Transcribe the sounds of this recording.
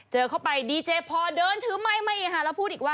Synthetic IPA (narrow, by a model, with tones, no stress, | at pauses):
t͡ɕɤː˧kʰa˥˩wpa˧jdiː˧t͡ɕeː˧pʰɔː˧dɤː˧nt̪ʰɯː˨˦ma˥˩jma˥˩jʔiː˨˩kʰa˦˥˩ɾɛː˦˥wpʰuː˥˩ʔiː˨˩kwaː˥˩